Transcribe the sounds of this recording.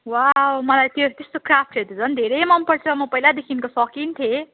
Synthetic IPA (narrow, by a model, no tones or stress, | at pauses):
wawmʌlajt̪jot̪est̪okrap̚ʰʈʰet̪ʰut͡sʰʌnd̪ʱeɾʌjmʌmpʌrt͡sʰʌmʌpʌilad̪ekʰinkosʌkint̪ʰje